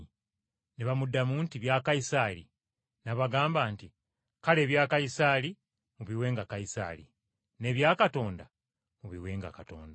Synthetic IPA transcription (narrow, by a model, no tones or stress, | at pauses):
neβamudːamuːntiβjaːkajisaːlḭ | naβaɡaːmbaːnti | kale̞ːβjaːkajisaːli | muβiwe̞ːŋɡakajisa̰ːlḭ | ne̞ːβjaːkato̞ːnda | muβiwe̞ːŋɡa̰kato̞̰ːnda